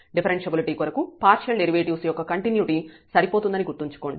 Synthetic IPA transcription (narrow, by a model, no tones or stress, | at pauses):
ɖipʰɐɾeɳt͡ʃɐbiliʈiːkuɾɐkupaːɾʃɐlɖeɾiʋeːʈiʋsɐjɔkːɐkɐɳʈinjuʈisɐɾipo̞ːt̪und̪ɐniɡuʈːiɲt͡ʃu̥koːɳɖi